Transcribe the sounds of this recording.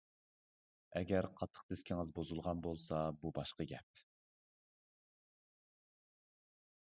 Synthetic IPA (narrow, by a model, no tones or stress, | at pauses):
ɛɡʲɛɾqʰɑt̪ʰːə̥qd̪ɪskʲʰiŋɨzbozulˠʁɑnbolˠsɑbubɑʃqɑɡʲɛ̰p̚